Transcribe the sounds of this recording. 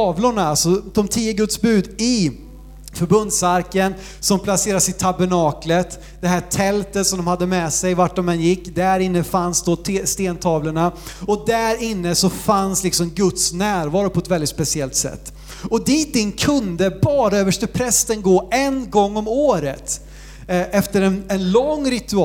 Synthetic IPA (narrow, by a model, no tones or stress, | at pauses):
t̪ɑːvlʊɳaalsɔd̪̥ɔmt̪ʰiːəɡɵt̪sbʉ̟ːd̪ɪ | fœɾbɵnd̪saɾkən | sɔmpʰlaseːɾadsɪt̪ʰabəɳɑːklət̪ | d̪̥ɛɦæːʈʰɛlt̪ət̪sɔmd̪ɔmhad̪ːəmɛsɛjvaʈ̚ɖɔmɛnjɪkːd̪æɾɪnːəfansd̪oːt̪ʰːst̪eːnt̪ʰɑːvləɳaɔd̪æɾɪnːəsɔfanslɪksɔmɡɵt̪snæːɾvɑːɾʊpʰɔɛt̪vɛld̪ɪt̪spɛsɪɛlt̪sɛ̰t̪ː | ɔd̪iːt̪ɪnːkʰɵnd̪əbɑːɾaøːvəʂʈəpʰɾɛst̪ənɡoːɛnɡɔŋːɔmoːɾə̰t̪ | ʔɛft̪əɾɛnɛnlɔŋːɾɪt̪ɵ